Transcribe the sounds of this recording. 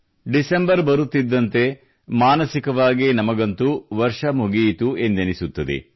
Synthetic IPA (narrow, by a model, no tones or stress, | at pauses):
ɖisembɐɾbɐɾut̪ːid̪ːɐnt̪e̞ | maːnɐsikɐʋaːɡinɐmɐɡɐnt̪uʋɐɾʂɐmuɡiːt̪ue̞nd̪enisut̪ːɐd̪ḛ